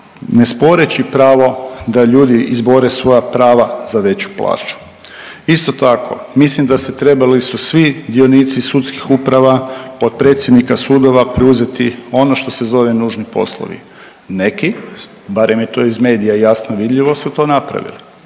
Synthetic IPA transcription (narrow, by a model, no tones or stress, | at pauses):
nespo̞ɾet͡ɕipɾaːʋo̞d̪aʎuːd̪iizbo̞ɾesʋo̞japɾaːʋazaʋe̞t͡ɕu̥plˠa̰ːt͡ʃu̥ | ist̪o̞t̪akʰo̞̰mislimd̪aset̪ɾe̞balisusʋid̪io̞niːt̪sisut̪skixupɾaʋapot̪̚pɾe̞t̪sje̞d̪nikasud̪o̞ʋapɾɛuze̞t̪io̞no̞ʃt̪o̞sezo̞ʋe̞nuːʒnipo̞̰slˠo̰ʋḭ | ne̞ki | baɾemjet̪o̞izme̞ːd̪ijajasnoʋid̪ʎiʋo̞sut̪o̞ːnapɾa̰ʋḭli